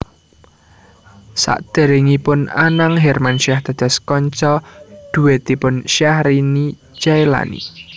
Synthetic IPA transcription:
sa̰ʔd̪̥e̤ɾeŋipʊnanaŋɦɛrmanʃiaht̪əd̪̥ɔ̤skɔɲt͡ʃɔd̪̥uwet̪ipʊnʃahɾini | d͡ʒaela̰nḭ

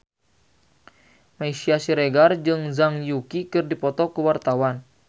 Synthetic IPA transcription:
maisiasiɾeɡard͡ʒɨŋzaŋjukikɨrdipɔt̪ɔkuwart̪awan

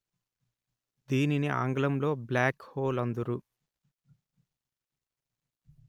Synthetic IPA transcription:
d̪iːniniʔa̰ːŋɡɐlɐmlo̞ːblaːkhoːlɐnd̪uɾu

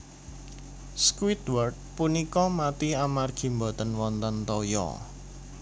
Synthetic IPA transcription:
skwit̪wɔrd̪̚punikɔmat̪iamarɡ̥i̤mbɔt̪ənwɔnt̪ɔnt̪ɔjɔ̰

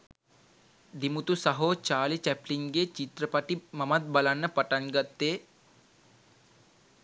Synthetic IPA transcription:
d̪imut̪usɐɦoːt͡ʃaːlit͡ʃɛpliŋɡeːt͡ʃit̪ɾəpɐʈimɐmɐt̪̚bɐlanːəpɐʈaŋɡat̪ːeː

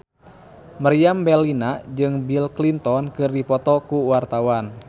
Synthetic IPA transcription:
marijambɛlinad͡ʒɨŋbilklint̪ɔnkɨrdipɔt̪ɔkuwart̪awan

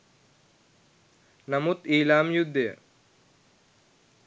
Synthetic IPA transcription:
nɐmut̪iːlaːmjud̪ːe

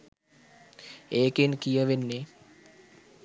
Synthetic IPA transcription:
eːkenkijəʋenːe

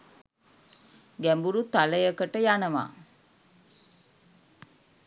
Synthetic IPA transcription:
ɡæmbuɾut̪aləjəkəʈəjanəʋa̰ː

